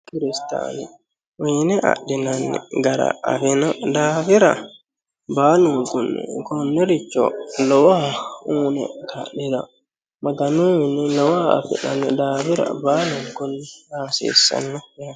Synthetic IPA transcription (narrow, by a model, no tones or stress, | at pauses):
kiɾista̰ni | winɛʔa̰ɗinanːɛ̰ɡaɾa̰afinadaːfiɾa̰ | baːlnuŋɡunːɛ̰kɔnːɛɾit͡ʃːɔ̰lɔwauːnɛ̰kʰa̰ɗiɾa | maɡanuwinilɔwaa̰fḭɗanːɛdaːfiɾa̰baːluŋɡunːɛhaːsḭsa̰nːɔja